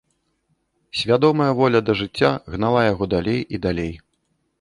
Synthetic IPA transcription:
sʲvʲad̪ɔmɐjɐvɔlʲɐd̪ɐʐɨt͡sʲːaɣnalˠajaɣɔd̪alʲejid̪alʲej

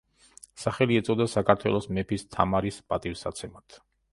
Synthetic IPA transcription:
saχɛliɛt̪sʼɔd̪asakʰaɾt̪ʰwɛ̰lˠɔsmɛpʰist̪ʰamaɾispʼat̪ʼifsat̪sʰɛmat̪ʰ

